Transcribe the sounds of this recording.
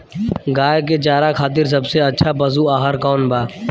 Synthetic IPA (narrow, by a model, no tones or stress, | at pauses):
ɡaːjket͡ʃaːɾakʰaːt̪̬ɪɾs̬ɐbseɐtːʃʰabəzuaːɦəɾkɔːnbaː